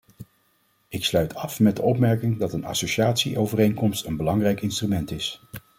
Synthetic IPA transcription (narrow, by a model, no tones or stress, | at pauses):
ɪkslœɥtʰɑfmɛt̚dəɔpmɛɹkɪŋdɑtənɑ̰soʃaːtsiʔowvərejŋkɔmstənbəlɑŋrɛjkɪnstrymɛntɪs